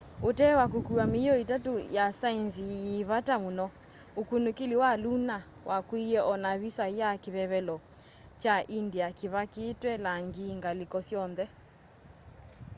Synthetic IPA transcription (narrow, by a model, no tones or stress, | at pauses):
otɛwak̬okuamiɔitatojasainsijeβatamonɔ | okunokeliwaluna | wʔakwijɛʔɔnaβisajakeβɛβɛlɔ | t͡ʃaʔindiakeβaketwɛlaŋɡiŋɡalikɔsjɔnðɛ